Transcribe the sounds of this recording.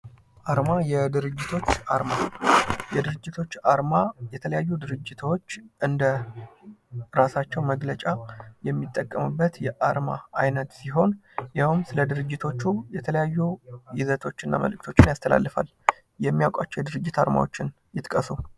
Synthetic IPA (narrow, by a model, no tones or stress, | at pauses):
ʔaɾmajɛd̪ɨɾɨd͡ʒːɪt̪ʰo̞t͡ʃːaɾmajɛd̪ɨɾɨd͡ʒːɪt̪ʰo̞t͡ʃːaɾmajɛt̪ʰələjajːud̪ɨɾɨd͡ʒːɪt̪ʰo̞t͡ʃːʔɨnd̪ə | ɾasat͡ʃːɛwməɡlət͡ʃʼajɛmːit̪ʼːəkʼːəmɨbːət̪jɛʔaɾma̰ajnət̪siɦo̞n | jawɨmsɨləd̪ɨɾɨd͡ʒːɪt̪ʰo̞t͡ʃːujɛt̪ʰələjajːujɪzət̪ʰo̞t͡ʃːɨnːa̰mə̰lɨk̚t̪ʰo̞t͡ʃːɪnjast̪ʰəla̰lːəfa̰l | jɛmːijawkʼat͡ʃːɛwjd̪ɨɾɨd͡ʒːɪt̪a̰ɾma̰wo̞t͡ʃːɪn | jɪt̪kʼəsu